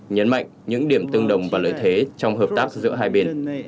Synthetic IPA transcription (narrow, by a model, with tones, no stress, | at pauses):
ɲə˨˦nma̰˧˨jŋ̟ɲɨ̰˧˥ŋɗi˧˩əmt̪ɨ˧əŋɗə˨˩wŋ͡mvaː˨˩lə̰ː˧˥jt̪ʰe˨˦t͡ɕɔ˧wŋ͡mɦəː˨˩p̚t̪aː˦˥k̚zɨ̰˧˥əɦaː˧jɓe˧n